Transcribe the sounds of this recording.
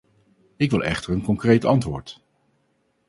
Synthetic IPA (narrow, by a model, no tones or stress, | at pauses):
ɪkʋɪlˠɛ̰χtəɹənkɔŋkrejtɑntʋʊːɹt